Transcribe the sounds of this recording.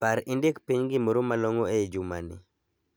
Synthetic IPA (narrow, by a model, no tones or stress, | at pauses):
paɾindekpiɲɡɪmoɾomaloŋoed͡ʒumanɪ̰